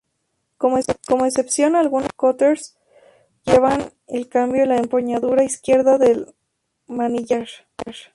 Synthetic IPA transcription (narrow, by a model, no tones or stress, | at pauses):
komko̞moese̞psjo̞nalɣunoskot̪eɾs | ʝeβan | elkambjolaempoɲaðuɾaiskje̞ɾðaðe̞l | maniʝaɾ | ɾ